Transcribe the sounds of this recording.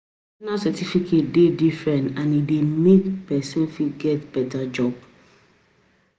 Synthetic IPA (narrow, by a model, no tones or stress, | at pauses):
nasɛtifikʰet̚dedifɹɛ̃ntãnidemetpɛsɔ̃nfiɡɛtb̥ɛtad͡ʒɔb